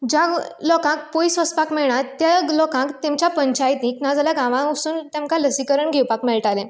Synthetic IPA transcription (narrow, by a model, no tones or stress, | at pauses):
d͡ʑalɔkãk̚poisʋəspakmɛɭɳat̪jalɔkãkt̪emt͡ɕjapəɲt͡ɕajt̪nĩknad͡zaljaɡãʋãusuːnt̪emkaləsikəɾəɳɡʱewpakmɛɭʈalẽ